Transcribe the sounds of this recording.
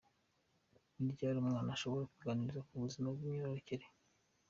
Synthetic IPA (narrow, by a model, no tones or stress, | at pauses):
niɾɟaːɾumŋaːnaʃo̞βo̞ɾakuɡaniɾizakuβuzimabɡimɲiɾoɾociɾe